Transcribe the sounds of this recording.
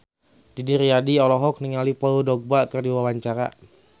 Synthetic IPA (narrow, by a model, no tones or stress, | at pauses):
didiɾiadiɔlɔɦɔk̚niŋalipaudɔɡ̚bakɨrdiwawaɲt͡ʃaɾa̰